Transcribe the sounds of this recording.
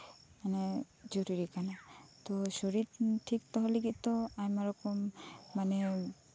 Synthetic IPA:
manɛ | zoɾiɾikanat̪ɔsoɹitʈʰːik̚t̪ɔɦɔleɡit̪̚t̪ɔajmaɾɔkɔmːanɛ

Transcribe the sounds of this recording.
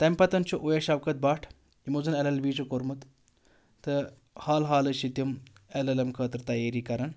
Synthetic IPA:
t̪ɐmʲpɐt̪ɐnt͡ʃʰuʔujɐʃɐʋkɐt̪̚baːʈʰ | imozɐnɛlɐlbiːt͡ʃukoɾmut̪ | t̪ɨ | haːlɦaːlɐʃit̪umɛlɐlɐmkʰəːt̪ɾt̪ɐjeːɾiːkɐɾɐn

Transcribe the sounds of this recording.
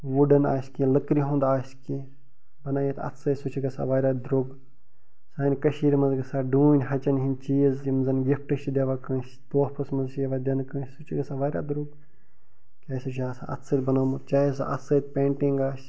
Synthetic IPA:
ʋuɖɐna̰ːskĩləkɾiɦõːnd̪aːsʲkĩː | bɐnaːjit̪ʰɐ̰t̪ʰsɐsut͡ʃʰiɡɐsa̰ʋaːɾʲad̪ɾuɡ | saːinʲkɐʃiːɾmɐzɡɐsaːɖuːnʲɦɐt͡ʃɐnɦint͡ʃiːzimɐzɐnɡifʈəʃid̪eʋaːkɐ̃s | t̪oːhpɐsmɐzʃeʋad̪ʲɐnkɐ̃ːsut͡ʃʰiɡɐsaʋaːɾa̰ːd̪ɾuɡ | kʲaːsut͡ʃʰiaːsa̰ɐ̰t̪ʰsɐt̪ʲbɐnaːmɐt̪̚t͡ʃaːjes̬a̰ʔɐ̰t̪sɐt̪pʲẽːɳʈiŋɡaːs

